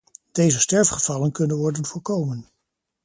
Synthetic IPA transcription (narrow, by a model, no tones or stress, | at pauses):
d̥ejzəstɛɹfχəv̥ɑlənkɵnənʋɔɹdənvʊːɹkowmən